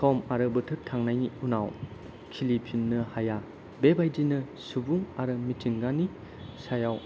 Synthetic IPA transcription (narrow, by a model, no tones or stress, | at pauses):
sʰɔmaɾɯbɯtʰɯtʰaŋnajniunaw | kʰilipʰinːɯhaja | bebajdinɯ | subuŋaɾɯmitʰiŋɡani | sajaw